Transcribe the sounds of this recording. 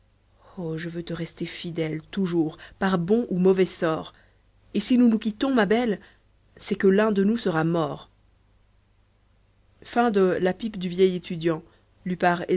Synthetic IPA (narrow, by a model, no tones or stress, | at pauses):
oʒəvøt̪əʁɛst̪efid̪ɛlt̪uʒuʁpaʁbɔ̃ʔumɔvɛsɔːʁ | esinunuk̬ʲit̪ɔ̃mabɛl | sɛkəlɛ̃d̪ənusəʁamɔːʁ | fɛ̃d̪əlapipd̪yvjɛjet̪ʰyd̪jɑ̃ | lipaʁe